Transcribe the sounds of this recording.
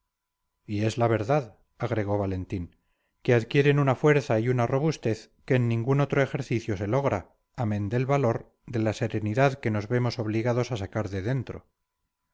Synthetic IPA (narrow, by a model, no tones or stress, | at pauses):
ie̞zlaβ̞e̞ɾðað | aɣɾe̞ɣ̞o̞βale̞nt̪iŋ | keaðkje̞ɾe̞nunafwe̞ɾθaiunaro̞βust̪e̞θke̞ːnːĩŋɡuno̞t̪ɾo̞e̞xe̞ɾθiθjo̞se̞lo̞ɣɾa | amẽ̞nd̪e̞lβalo̞ɾ | d̪e̞lase̞ɾe̞niðaðke̞no̞zβe̞mo̞so̞βliɣaðo̞sasakaɾðe̞ðe̞nt̪ɾo̞̰